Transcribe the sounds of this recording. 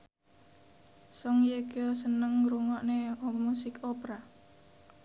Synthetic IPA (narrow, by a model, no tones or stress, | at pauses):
sɔŋjeɡ̥ɔsənəŋɾuŋɔʔneɔmusɪkɔpɾa